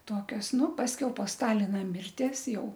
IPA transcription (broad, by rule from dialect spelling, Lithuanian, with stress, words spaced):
ˈtoːkʲoːs ˈnʊ pɐsʲˈkʲɛʊ poː ˈstɑːlʲɪnɐ ˈmʲɪrʲtʲiɛs ˈjɛʊ